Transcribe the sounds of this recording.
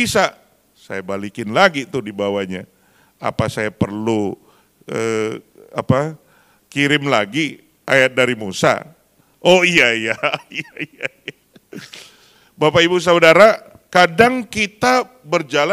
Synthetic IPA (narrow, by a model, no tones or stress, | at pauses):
isa | sajabalikɪnlaɡit̪ʊdibawaɲa | a̰pasajapərlu | ə | a̰pa | kiɾɪmlaɡi | a̰jat̪̚daɾimusa̰ | ʔoijaijaiaija | bapaibus̬audaɾa | kadaŋkit̪a | bərd͡ʒala